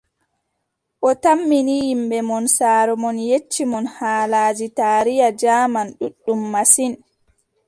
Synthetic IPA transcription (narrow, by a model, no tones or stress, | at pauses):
ʔɔtamːinijimɓɛmɔnsaːɾɔmɔnjet͡ʃːimɔnhaːlaːd͡ʒitaːɾijad͡ʒaːmanɗuɗːumːasin